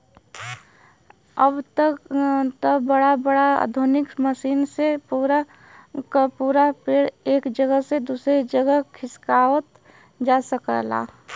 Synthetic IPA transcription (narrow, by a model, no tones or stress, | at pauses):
əbt̪əkt̪əbəɽabəɽaa̰d̪ʱonɪkməʃiːnsepuːɾa | kapuːɾapeɽeːkd͡ʒəɡəɦsed̪uːsɾed͡ʒəɡəɦkʰɪskaːwət̪ | d͡ʒaːsəkə̰la̰ː